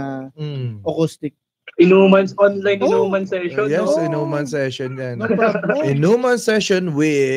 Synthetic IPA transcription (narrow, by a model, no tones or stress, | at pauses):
ʔɐkust̪ɪk̚ | ʔɪnuːmɐnsʔɔnlajnɪnuːmɐnsɛʃonjɛsɪnoːmansɛʃonjanɪnomɐnsɛʃonwɪ